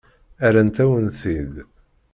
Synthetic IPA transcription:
æɾant̪æwənθið

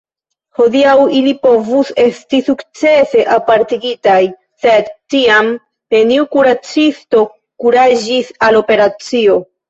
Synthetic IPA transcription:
ho̞diawilipo̞vuse̞stisukt͡se̞se̞ʔapaɾtiɡitaj | se̞dtiam | peniukuɾat͡sisto̞ | kuɾad͡ʒisalo̞pe̞ɾat͡sio̞

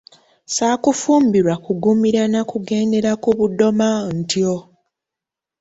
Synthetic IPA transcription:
saːkufuːmbiɾwakuɡumiɾanakuɡe̞ːnde̞ɾakuβudo̞mantio

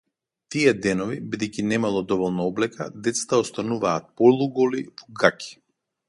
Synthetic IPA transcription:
t̪iɛd̪ɛnɔvibid̪ɛjcʲinɛmalˠɔd̪ɔvɔlˠnaɔblɛka̰d̪ɛt̪sḁt̪aɔst̪anuvaːt̪̚pɔlˠuɡɔlivɔɡakʲʰi̥

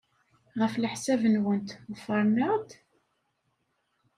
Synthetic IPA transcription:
ʁəfləħsævənwənt̪ʊfəɾˤnəʁd̪

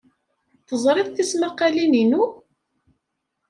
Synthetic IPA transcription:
θəzˤɾˤiðθismaqːalininu

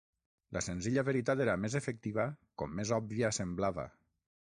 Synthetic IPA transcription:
lʔəsenziʎaβeɾit̪at̪eɾamezefek̚t̪iβ̞akɔmːezɔb̚βiasemblaβə̰

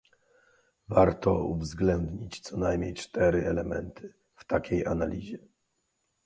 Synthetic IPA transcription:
vaɾt̪ɔuvzɡlɛnd̪ɲit͡ɕt̪sɔnajmɲejt͡ʂt̪ɛɾɘʔɛlɛmɛ̰nt̪ʰɘ | ft̪akʲejanalʲiʑɛ

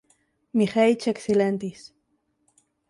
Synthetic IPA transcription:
mixajt͡ʃekselent̪is

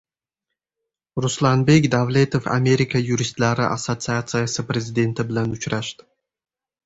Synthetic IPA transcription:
ruslˠanbekʲd̪avlʲet̪ofa̰mʲeɾʲikəjuɾʲist̪laɾɨ̰ʔa̰sot̪sɨat̪sɨjasəpɾʲezʲɪd̪ent̪əblanʊt͡ʃɾaʃt̪

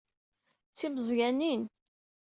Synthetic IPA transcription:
t͡sːiməzʝænin

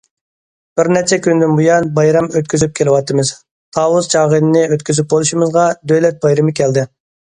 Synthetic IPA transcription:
b̥ɪɾnɛt͡ʃʰɛkʲynd̪ynbujɑnbɑjɾɑmøt̪kʲyzyp̚kʲʰelɪwɑt̪ʰɨmɨz̥ | t̪ʰɑwust͡ʃʰɑːʁənɨnɪøt̪kʲyzyp̚bolˠuʃimɨzʁɑd̪øjlɛt̪̚bɑjɾɪmɨkʲʰɛld̪ɪ

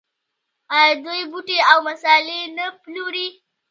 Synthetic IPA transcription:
ʔajd̪ojbuʈeʔawmɐsaːlenapluɾi

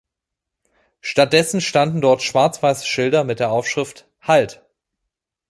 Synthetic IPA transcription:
ʃtat̚d̥ɛsn̩ʃtandn̩dɔɐtʃv̥aɐt͡sv̥aɪsʃɪldɐmɪt̚d̥eːɐʔaʊfʃʁ̥ɪft | halt

